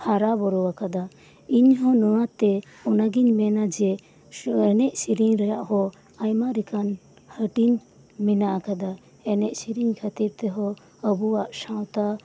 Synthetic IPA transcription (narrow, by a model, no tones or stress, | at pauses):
haɾabɔɾɔwakad̪a | iɲɦɔnɔwat̪ɛ | ɔnaɡiɲmɛnad͡ʒɛ | ɛnɛʔsiɾiɲɾɛjaʔɦɔ | ajmaɾikan | həʈiɲ | mɛnaʔakad̪a | ɛnɛʔsiɾiɲkʰət̪iɾt̪ɛɦɔ | əbuwaʔsãwt̪a